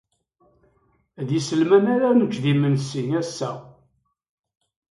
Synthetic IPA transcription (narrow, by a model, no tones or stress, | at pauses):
ðjisəlmænæɾænəd͡ʒðimənsinæsːæ